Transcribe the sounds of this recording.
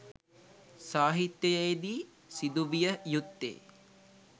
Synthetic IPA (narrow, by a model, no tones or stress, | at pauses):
saːɦit̪jəjəjed̪iː | sid̪uʋijəjut̪ːḛː